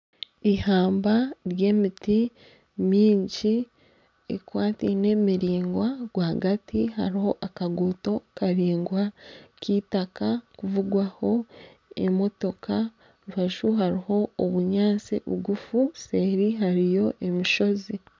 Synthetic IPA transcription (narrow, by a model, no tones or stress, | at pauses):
ihaːmbaɾje̞ːmiti | miːɲɟi | ḛkwaːtine̞miɾiːŋɡwaɡwaɡatiha̰ɾiho̞ʔakaɡuːto̞kaɾiːŋɡwakʰiːtakakuvuɡwaho̞ | ḛmo̞to̞ka | ɾufaʃuɦaɾiho̞oβuɲaːt͡sḭβṵɡufuse̞ːɾiɦaɾijo̞ʔe̞miʃo̞zi